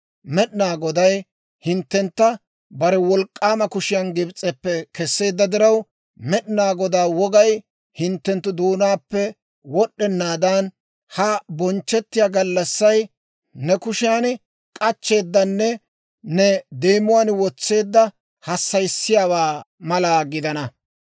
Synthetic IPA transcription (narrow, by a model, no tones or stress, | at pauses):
mɛɗɪnaːɡɔd̪ɐj | hɪnt̪ːɛnt̪ːɐ | bɐɾɛwɔlkʼːaːmɐkʊʃɪjɐnɡɪbt͡sʼːɛpːɛkɛsːe̞ːd̪ːɐd̪ɪɾɐw | mɛɗɪnaːɡɔd̪aːwɔɡɐj | hɪnt̪ːɛnt̪ːʊd̪oːnaːpːɛ | wɔɗːɛnːaːd̪aːn | hɐbɔnt͡ʃːɛt̪ːɪjaːɡɐlːɐsːɐj | nɛkʊʃɪjan | kʼɐt͡ʃːe̞ːd̪ːɐnːɛ | nɛd̪e̞ːmʊwaːnwɔt͡sːe̞ːd̪ːɐ | hɐsːɐjsːɪjaːwaːmɐlaːɡɪd̪ɐnɐ